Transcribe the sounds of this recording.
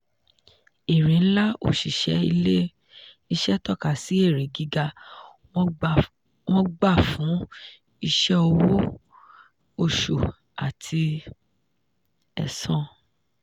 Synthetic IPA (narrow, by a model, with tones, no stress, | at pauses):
e˨ɾẽ˨n̩˦la˦o̰˦˨ʃi˨ʃɛ˨˦ḭ˧le˦ | i˧ʃɛ˦tɔ˦˨ka˨si˨˦e˦˨ɾi˨ɡi˦ɡa˧ | wɔ̃˦ɡ͡ba˦˨fũ˨˦ | i˧ʃɛ˦o˧wo˦ | o˧ʃo˨ | a̰˨tʰi˧ | ɛ̰˨sɔ̃˨